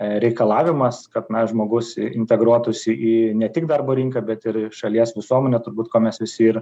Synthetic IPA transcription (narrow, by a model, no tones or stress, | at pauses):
ɾʲɛɪkɐlˠɑːʋʲɪmɐskɐt̪nɐʒmoːɡʊsɪnʲt̪ʲɛɡɾuɔt̪ʊsʲɪʔiːnʲɛt̪ʲɪk̚d̪ɐrboːɾʲiŋkɐbʲɛt̪ɪɾʃɐlʲiɛsʋʲɪsuɔmʲɛnʲɛt̪ʊɾbuːt̪koːmʲɛsʋʲɪsʲɪɪɾ